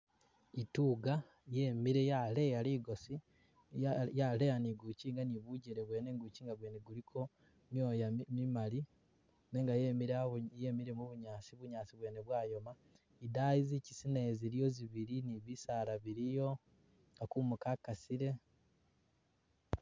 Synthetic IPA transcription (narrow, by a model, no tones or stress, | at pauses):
ituːɡa | je̞miɾe̞jale̞jaliːɡo̞si | jalejaniɡuciːŋɡaniβuɟiɾe̞βwe̞ːneːŋɡuciːŋɡaβweːneɡulikʰo̞ | mjo̞ːjamimali | neŋɡajemiɾjemiɾemuβuɲaːsiβuɲaːsiβwe̞ːneβwaːjo̞ma | idaizicisineːziɾijo̞ziβiɾiniβisalaβiɾijo̞ | akumukakasiɾe̞